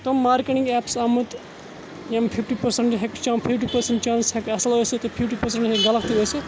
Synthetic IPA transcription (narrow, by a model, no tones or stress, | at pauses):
t̪omːaːɾkeʈĩŋɡɛːpsɐmɨt̪ | jempʰipʰʈipɐɾseɳʈɦekt͡ʃampʰipʈipɐɾseɳʈt͡ʃãːnsɦekɐsɐlɦojset̪opʰipʈipɐɾseɳʈɦekɡɐlɐkt̪iɦojse